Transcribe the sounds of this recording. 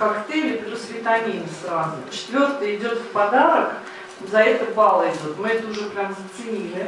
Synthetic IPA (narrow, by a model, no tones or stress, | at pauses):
kakt̪elʲɪrəsvʲɪt̪ɐnʲenʲəsrazʊt͡ɕɪ̥t̪vʲo̞rt̪əjɪdʲo̞t̪fpɐd̪aɾək | zɐɛt̪əbalˠəɪd̪ʲot̪mɨɛt̪əʊʐɛpɾʲamzət̪sɨnʲilʲɪ